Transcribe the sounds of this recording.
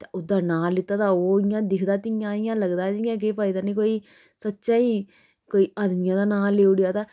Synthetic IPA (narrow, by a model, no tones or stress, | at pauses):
t̪eːʊd̪aːnaːlːɪt̪ːaːt̪aːoːɪjãːd̪ɪkʰd̪aːt̪ɪjãːɪjãːləɡd̪aːd͡ʒɪjãːk̬eːpaːiːd̪aːnĩːkoːiː | sətːʃaːiː | koːiːəd̪mɪjãːd̪aːnaːlːeːʊɽjaːt̪aː